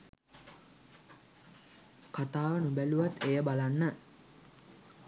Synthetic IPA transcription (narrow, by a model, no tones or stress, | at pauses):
kat̪aːʋənubæluʋat̪ʰːejəbalanːə